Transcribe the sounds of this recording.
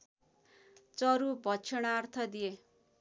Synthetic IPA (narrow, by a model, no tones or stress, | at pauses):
t͡sʌɾubʱʌt͡sʰʌɽ̃aːrt̪ʰʌd̪ije